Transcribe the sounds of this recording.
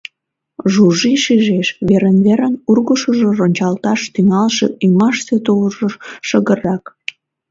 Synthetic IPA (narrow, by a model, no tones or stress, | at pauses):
ʒuʒiʃiʒeʃβeɾənβeɾənurɣəʃəʒoronʲt͡ɕɑlt̪ɑʃt̪yŋɑlʃḛʔymɑʃt̪et̪olʒoʃəɣərɑk